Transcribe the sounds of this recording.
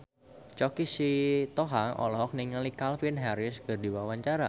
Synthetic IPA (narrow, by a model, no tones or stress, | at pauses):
t͡ʃɔkisit̪ɔɦaŋʔɔ̰lɔɦɔk̚niŋəlikalfinɦaɾɪskərdiwawaɲt͡ʃaɾa